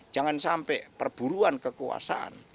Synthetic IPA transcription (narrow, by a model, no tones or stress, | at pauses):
d͡ʒ̥aŋansampɛpərb̥uɾuankəkua̰sa̰ʔa̰n